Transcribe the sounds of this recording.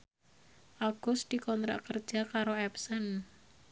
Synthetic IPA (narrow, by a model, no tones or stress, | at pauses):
ʔaɡ̥ʊsd̪̥ikɔnt̪ɾa̰ʔkərd̥d͡ʒ̥a̤kaɾoɛpsən